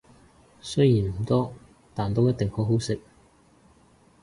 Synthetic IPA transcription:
sɵ˥ɥjiː˨˩nm̩˨˩t̪ɔː˥ | t̪aː˨˩nt̪o˥wjɐ˥t̪̚t̪ɪ˨ŋho˨˥wɦo˨˥wsɪ˨k̚

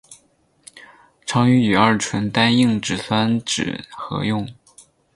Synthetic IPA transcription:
ʈ͡ʂʰɑ˧˥ŋy˧˥y˨˩ə˞˥˩ʈ͡ʂʰwə˧˥nt̪a˥ni˥˧ŋʈ͡ʂɻ̩˨˩swa˥nʈ͡ʂɻ̩̰˨˩xɤ̰˧˥jʊ˥˩ŋ

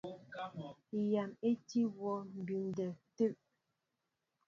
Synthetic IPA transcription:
ja˨me˦ti˦wɔ˦˨m̩˨bi˨n˨dɛ˨te˦˨ʔ

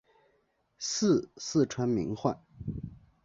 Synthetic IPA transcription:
sɹ̩˥˧sɹ̩˥˩ʈ͡ʂʰwa˧˥nmḭ˧˥ŋxwa˥˩n

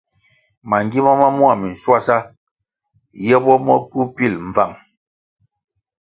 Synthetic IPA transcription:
ma˨ŋɡi˦ma˦ma˦mu˦a˦˨mi˨n̩˨swa˦sa˦ | jɛ˦bɔ˦mɔ˦ku˦pi˦˨lɱ˨va˦˨ŋ

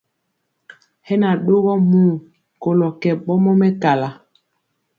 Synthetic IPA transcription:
hɛ˦na˨ɗo˦ɣɔ˦mu˦˨ | ko˨lɔ˨kɛ˨ɓɔ˦mɔ˦mɛ˦ka˨la˨

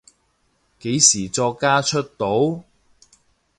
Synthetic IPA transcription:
ke˨˥jsiː˨˩t͡sɔː˧kːaː˥t͡ʃʰɵ˥t̚t̪o˨˥w

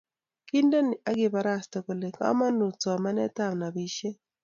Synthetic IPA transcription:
ki˦nde˦nɪ˨ʔa˦ɡɪ˨ba˨ɾa˦ste˨ko˨le˨ka̰˦ma˦nu˨t͡sɔ˨ma˦nɛ˦ta˦˨mna˨bi˦ʃe˦

